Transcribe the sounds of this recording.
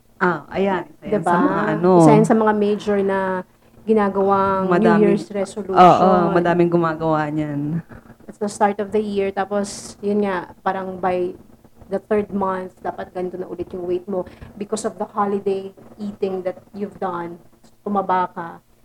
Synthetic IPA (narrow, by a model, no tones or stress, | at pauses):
ʔaʔɐjand̪ɪbaɐaɐnosaʔansɐmɐŋamejd͡ʒɔɹnɐ | ɡɪnaːɡɐwaŋmɐdnajɪɹsɾɛsoluoʃːʔoonmɐd̪aːmɪŋɡʊmaːɡɐwaɲand̪ɐt̪sd̪ɐst̪aɹt̪ɔvd̪ɐjiɹt̪aːposjʊnŋapaːɾɐŋbaj | d̪ɐθɛɹd̪̚mɐnθd̪aːpɐt̪̚ɡɐnt̪onɐʔʊlɪt̪̚jʊŋwejt̪̚mobɪkɔsɔvd̪ɐhalɪd̪ejʔiːt̪ɪŋd̪ɐt̪̚juvd̪ɐnst̪ʊmɐbaːkɐ